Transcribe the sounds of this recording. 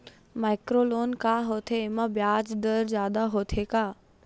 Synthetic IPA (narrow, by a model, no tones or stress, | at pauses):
maːɪkɾoːloːnkaːɦoːt̪ʰemãbjaːd͡ʒd̪əɾzjaːd̪aɦoːt̪ʰekaː